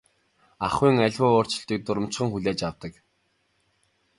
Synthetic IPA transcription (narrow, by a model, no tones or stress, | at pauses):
aχwiːŋaɮʲwʊːʊːr̥t͡ɕɪ̆ɬt̪iːk̚t̪ʊɾə̆m̥t͡ɕχə̆ŋxuɮʲaːt͡ɕawt̪ə̆k